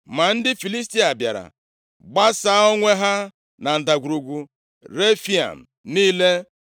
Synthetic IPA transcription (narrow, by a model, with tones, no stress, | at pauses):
ma˨n̩˦dɪ˦fi˨li˦s̬ti˦a˨bja̰˨ɾa̰˨ | ɡ͡ba˦saː˦o˦ŋʷe˦ɦa˦ | na˨n̩˨da˨ɡʷu˨ɾu˨ɡʷu˨ | ɾe˦fi˦a̰˨m̩˨ | niː˦le˦